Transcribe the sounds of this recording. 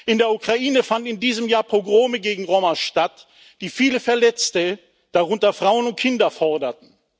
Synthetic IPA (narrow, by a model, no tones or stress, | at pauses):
ʔɪndeːɐukʁ̥aʔiːnəfandn̩ɪndiːzəmjaːɐpʁ̥oɡʁoːməɡeːɡŋ̩ʁomaʃtat | d̥iːfiːləfɛɐlɛt͡stə | d̥aʁʊntɐfʁ̥aʊənʊnt̚kʰɪndɐfɔʁdɐtn̩